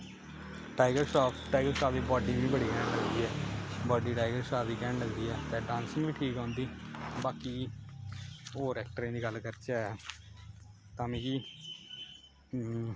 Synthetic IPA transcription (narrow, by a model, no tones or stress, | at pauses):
ʈaːɪɡəɾʃaːpʈaːɪɡəɾsaːpiːbɔːɖiːʋĩːbəɽiːkɛːɳləɡd̪iːɦɛːbɔːɖiːʈaːɪɡəɾsaːpʰd̪iːkɛːɳləɡd̪iːɛːt̪ɛ̃ːɖãːnsɪŋʋiːʈʰiːkãːnd̪iːbaːkiː | oːɾɛːk̚ʈəɾẽːd̪iːɡəlːkəɾt͡ʃaːɛ | t̪aːmĩːkiː